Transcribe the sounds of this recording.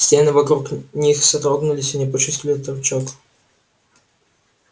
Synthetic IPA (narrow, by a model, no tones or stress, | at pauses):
sʲtʲenɨvɐkɾuknʲixsɐt̪ɾoɡnʊlʲɪsʲɪnʲɪpət͡ɕɪst̪ʲlʲɪt̪ɐrt͡ɕok